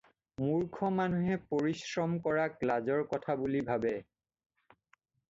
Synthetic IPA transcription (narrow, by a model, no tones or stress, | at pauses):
muɹkʰɔmanuɦɛpoɹisɹɔmkɔɹaklazɔɹkɔtʰabulibʱabɛ